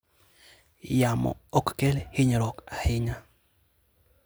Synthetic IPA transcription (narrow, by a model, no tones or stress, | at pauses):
jamɔ̰ɔkːɛlhɪɲɾɔkahɪɲa